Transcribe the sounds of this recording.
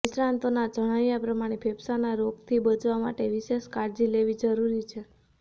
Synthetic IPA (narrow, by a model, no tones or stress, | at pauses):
ɪʃɾãnt̪onad͡ʒəɽ̃aʋjapɾəmaɽ̃epʰebsanaɾoɡt̪ʰibəd͡ʒʋama̰ʈeʋɪʃeʃkaɾd͡ʒileʋid͡ʒəɾuɾit͡ʃʰe